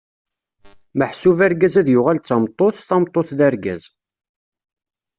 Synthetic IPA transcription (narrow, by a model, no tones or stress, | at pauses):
məħsuvæɾɡæzæðjʊʁælt͡sːɑmt̪ˤːoθθɑmt̪ˤːoθðæɾɡæ̰z